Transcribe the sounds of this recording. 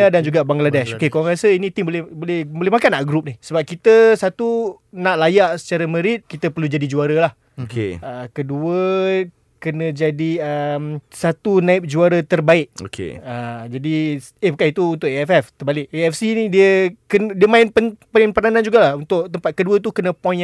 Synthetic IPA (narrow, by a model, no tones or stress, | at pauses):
adand͡ʒuɡabaŋɡladɛʃokekawaŋɾasəinĩt̪imbolɛhbolɛhbolɛhmakanːaʔɡɾup̚nihsəbap̚kit̪əsat̪u | naʔlajaʔsə̥t͡ʃaɾəmə̃ɾɪt̪̚kit̪əpərlud͡ʒadid͡ʒuaɾəlah | okḛəkəduə | kənə̃d͡ʒadiəmsat̪unaɪp̚d͡ʒuaɾət̪ərbaɪʔo̰kʰḛəd͡ʒadi | ebəkait̪uunt̪ʊʔ̚eɛfɛft̪ərbalɪʔeɛfsinidiəkəndiəmaɪnpənpaɪnpənanãnd͡ʒuɡalahunt̪ʊʔt̪əmpat̪̚kəduət̪̬ukənə̃pɔ̃n